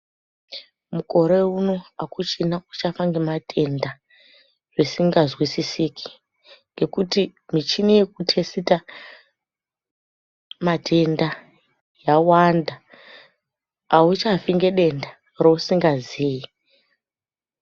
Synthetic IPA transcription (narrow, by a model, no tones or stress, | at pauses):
muko̞ɾeuno̞akut͡ʃinaut͡ʃafaŋɡematʰe̞nda | ʐisiŋɡazwisisikʰi̥ | ŋɡe̞kutimit͡ʃinejekutʰe̞sita | matʰe̞nda | jawanda | aut͡ʃaviŋɡeɗe̞nda | rousiŋɡaziːji